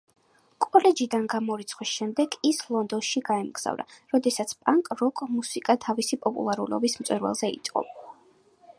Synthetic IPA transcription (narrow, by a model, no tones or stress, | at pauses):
kʼɔlɛd͡ʒid̪anɡamɔɾit̪sʰχwisʃɛmd̪ɛɡislˠɔnd̪ɔnʃiɡaɛmɡz̥a̰vɾa̰ɾɔd̪ɛsat̪sʰpʼaŋkʼɾɔkʼmusikʼat̪ʰavisipʼɔpʼṵlˠaɾṵlɔ̰bismt̪sʼwɛɾvɛ̰lˠzɛḭt̪sʼqʼɔ̰b